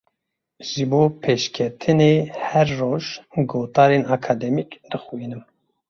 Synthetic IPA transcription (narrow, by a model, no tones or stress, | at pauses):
ʒ̥ɨboːpʰeːʃkʲʰɛt̪ʰɨneːhɛɾːoːʒɡoːt̪ɑːɾeːnɑːkʰɑːd̪ɛmikd̪ɨxuiːnɨm